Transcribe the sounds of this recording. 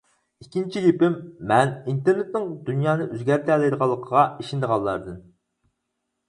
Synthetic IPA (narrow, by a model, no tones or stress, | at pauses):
ikʲːint͡ʃʰijʲepɪmːɛnint̪eɾnet̪̚nɪŋd̪ynjɑːnɨʔøzɡʲæɾt̪ʰɛlɪjd̪əʁɑlˠːəqʰəʁɑiʃind̪əʁɑlˠːɑ̰ɾd̪ɨn